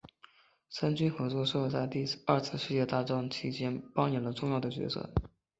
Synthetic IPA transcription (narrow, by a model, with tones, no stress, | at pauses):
ʂa˥nt͡ɕy˥nxɤ˧˥t͡swɔ˥˧ʂɔ˥˧t͡sa˥˧ɪt̪i˥˧ɐ˞˥˧t͡sʰɹ̩˥˧ʂɻ̩˥˧t͡ɕjɛ˥˧t̪a˥˩ʈ͡ʂɑ˥ŋt͡ɕʰi˥t͡ɕjɛ˥npɑ˥ŋjɛ˨˩nlə˧˦ʈ͡ʂʊ˥˧ŋjɑ˥˩ʊd̪ə˩t͡ɕɥɛ̰˧˥sɤ̰˥˩